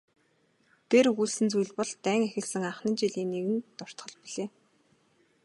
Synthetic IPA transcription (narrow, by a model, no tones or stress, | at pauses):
t̪eruɮsɘ̆nt͡sujɮpɔɮt̪æːŋexʲɪ̆ɮsɘ̆ŋaχnĭnt͡ɕiɮiːnːeɣɘ̆nt̪ɔr̥t̪χɞ̆ɮpiɮeː